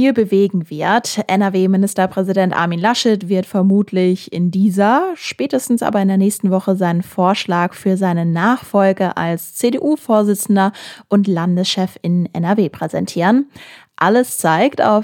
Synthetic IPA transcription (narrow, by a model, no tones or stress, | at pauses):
fiːlbəveːɡŋ̩vɪɐtʔɛnɛɐveːmɪnɪstɐpʁ̥ɛzidɛntʔa̰ɐmiːnlaʃɛtv̥ɪɐtfɛɐmuːtʰlɪçɪ̰ndiːzɐʃpɛːtəstn̩sʔa̰ːbɐɪndeːɐnɛːçstn̩vɔχəzaɪnənfoːɐʃlaːkfyːɐzaɪnənaːχfɔlɡəʔa̰lst͡sedeʔuːfoːɐzɪt͡sn̩dɐʔʊntlandəsʃɛfɪnʔɛ̰nɛɐveːpʁ̥ɛzɛ̰ntʰiːʁən | ʔaləst͡saɪkta̰ʊf